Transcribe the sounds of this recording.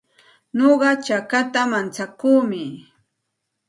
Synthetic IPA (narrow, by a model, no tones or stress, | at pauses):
noɢɑt͡ʃakat̪amant͡sakuːmɪ